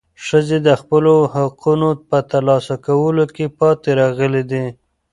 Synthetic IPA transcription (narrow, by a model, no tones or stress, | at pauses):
ʃəzed̪əxpəlohaqunopət̪alɑsakawəlokepɑt̪eɾɑɣəled̪i